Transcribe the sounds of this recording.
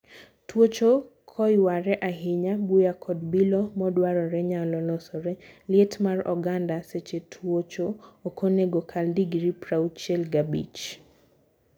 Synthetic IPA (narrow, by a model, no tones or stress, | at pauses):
twot͡ʃo | kʰɔjwaɾɛʔaɦɪɲabujakʰɔdbilɔmɔdwaɾɔɾɛɲalɔlɔsɔɾɛlɪɛtmarɔ̰ɡandaset͡ʃetʰwot͡ʃoːkoneɡokʰaldiɡɾipɾaut͡ʃɛlɡabḭt͡ʃ